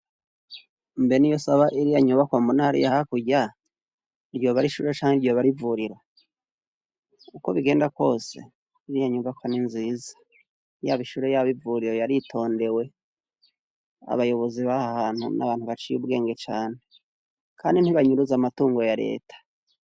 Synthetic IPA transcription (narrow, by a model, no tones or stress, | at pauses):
mbenijo̞saβaʔiɾijaɲuβakwaːmbunahaɾḭjahakuɟa | iɾɟo̞βaɾiʃuɾet͡ʃaːŋeɾɟo̞βaɾivuɾiɾa | uko̞̰βiɡe̞ːndakwo̞ːse̞̰ | iɾijaɲuβakwaninziːzḁ | jaβiʃuɾe̞jaβivuɾiɾo̞jaɾitʰo̞ːnde̞we̞ | a̰βajo̞βo̞ziβahahaːn̥hṵnʔa̰βaːnhuβat͡ʃijṵb̚ɡe̞ːŋɡe̞t͡ʃaːne̞ | kʰaːndin̥hiβaɲuɾuzamatuːŋɡo̞jaɾe̞̰ːtḁ